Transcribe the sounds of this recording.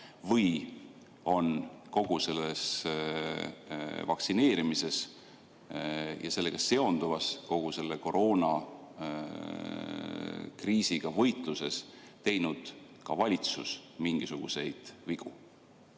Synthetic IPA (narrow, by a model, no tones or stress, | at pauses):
vɤj | o̞nko̞ɡ̥use̞lːes | vɑksine̞ːɾimise̞s | jɑ̰se̞lːe̞ɡ̥ɑse̞o̞nd̪uvɑsko̞ɡ̥use̞lːe̞ko̞ɾo̞ːnɑ | kriːsiɡ̥ɑvɤ̞jt̪luse̞s | t̪e̞jnud̪̥ | kɑvɑlʲit̪susmiŋɡ̥isuɡ̥use̞jd̪̥viɡ̥u